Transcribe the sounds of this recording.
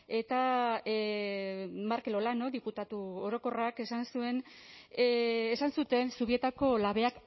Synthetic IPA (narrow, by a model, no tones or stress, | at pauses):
e̞t̪a | maɾkelo̞lano̞ðiput̪at̪uoɾo̞ko̞rake̞sansue̞n | sansut̪e̞nsuβie̞t̪ako̞laβe̞ak